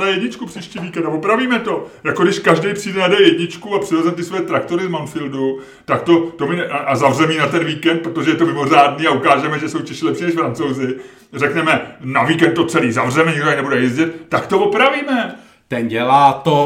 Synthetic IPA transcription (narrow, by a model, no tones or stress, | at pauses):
najɛdɲɪt͡ʃkupr̥iːʃciːviːkɛnt̪avopɾaviːmɛt̪o̞jako̞dɪʃkaʒdɛjpr̥iːdɛnadɛjɛdɲɪt͡ʃkuapr̥ɪvɛzɛmt̪ɪsvojɛt̪ɾakt̪o̞ɾɪzmanfɪldu | t̪akt̪o̞t̪o̞mɪʔazavrɛmiːnat̪ɛnviːkɛnt̪̚pɾot̪oʒɛjɛt̪o̞mɪmo̞raːdniːaukaːʒɛmɛʒɛsowt͡ʃɛʃɪːlɛpʃiːnɛʃfɾant͡sowzɪ | rɛknɛmɛnaviːkɛnt̪t̪o̞t͡sɛliːzavrɛmɛɲɪɡoaknɛbudɛjɛzɟɪt̪ːakt̪o̞vo̞pɾaviːmɛ | t̪ɛnɟɛlaːt̪o